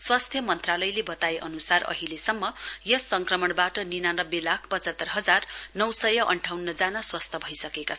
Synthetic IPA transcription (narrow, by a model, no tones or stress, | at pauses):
swast̪ʰjʌmʌnt̪ralʌjlebʌt̪aeʔʌ̰nusarʔʌ̰ɦilesʌmːʌjʌsʌŋkrʌmʌɽbaʈʌninanʌbelakʰpʌt͡sʌt̪ːʌrɦʌd͡zarnʌwsʌjʌʔʌɳʈʰawnːʌd͡zanʌswʌst̪ʰʌbʱʌjsʌkeka